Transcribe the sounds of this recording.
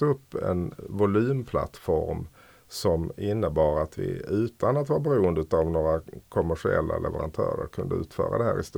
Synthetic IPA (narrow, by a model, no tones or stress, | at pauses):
ɵpːɛ̰nvʊlʉːmpʰla̰t̪fɔɾm | sɔmɪnːəbɑːɾat̪vɪ̰ʉ̟ːt̪ʰanat̪vɑːɾabɛɾuːənd̪əʉːt̪avnoːɾakʰɔmæʂɪɛlːalʔɛvəɾant̪ʰœːɾəɾkʰɵnd̪əʉ̟ːt̪fœːɾad̪ɛɦæːɾɪst̪